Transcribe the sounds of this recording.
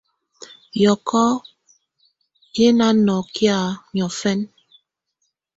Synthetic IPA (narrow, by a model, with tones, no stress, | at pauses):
jɔ˨kʰɔ˦ | je˦na˦nɔ˨kja˦˨ɲɔ˨fɛ˦n